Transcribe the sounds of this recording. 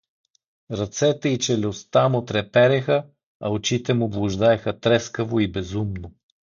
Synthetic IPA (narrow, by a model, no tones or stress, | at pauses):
ɾɐt̪sɛt̪ɛit͡ʃɛlʲost̪amʊt̪ɾɛpɛɾɛxə | ɐot͡ʃit̪ɛmʊblˠʊʒd̪aɛxət̪ɾɛskəvoibɛzumnʊ